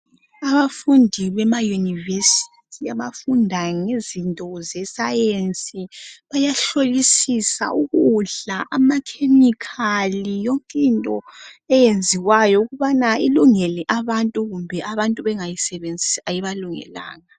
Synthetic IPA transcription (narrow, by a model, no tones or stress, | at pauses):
aβafundʱiβɛmajunivesi̥tʰiaβafundʱaŋezintʼɔzɛsajensʼiβajaɬolisisa̰ʔuɣuɮaʔamakʰemikʰalijɔŋkʼintʼɔɛjend͡zʱiwajɔuɣuβanailuŋɛlɛʔaβantʼuɣumbʱɛʔaβantʼuβɛŋajisɛβend͡zʱisajiβaluŋɛ̰la̰ːŋa